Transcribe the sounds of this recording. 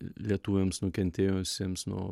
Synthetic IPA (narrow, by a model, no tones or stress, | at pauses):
lʲiɛt̪uːʋʲeːmsnʊkʲɛnʲt̪ʲeːjoːʋʲɪsʲeːmsnuɔ